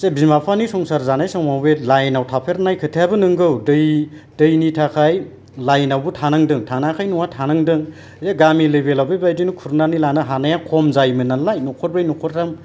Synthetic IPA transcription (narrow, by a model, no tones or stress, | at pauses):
sebimapʰanisɔŋsaɾzanajsɔŋmawbelajnawtʰapʰeɾnajkʰɯtʰjabɯnɯŋɡɯwdɯj | dɯjnitʰakʰaj | lajnawbɯtʰanɯŋdɯŋtʰanakʰajnuŋatʰanɯŋdɯŋ | zaɡamilebelawbebajdinukʰuɾnanilanɯɦanajakʰɔmzajmɯnalajnukʰɔɾbajnukʰɔɾtam